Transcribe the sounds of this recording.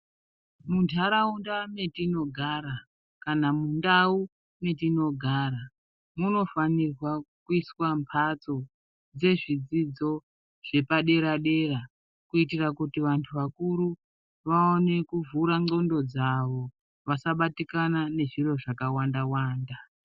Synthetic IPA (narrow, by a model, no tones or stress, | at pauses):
muntʰaɾaundame̞tino̞ɡʱaɾa | kanamundau | me̞tino̞ɡʱaːɾa | muno̞fanirwakuiswampʰat͡so̞ | d͡ze̞ʐid͡zid͡zo̞ | ʐ̥e̞paɗe̞ɾaɗe̞ɾa | kuitirakutiʋantʰuʋakuɾu | ʋaone̞kuvuɾaŋ͡ǀo̞ndo̞d͡zaʋo̞ | ʋasaɓatikanane̞ʐiro̞ʐakawandawaːnda